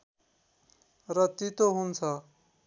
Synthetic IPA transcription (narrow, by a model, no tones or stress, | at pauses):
rʌt̪it̪oɦunt͡sʰʌ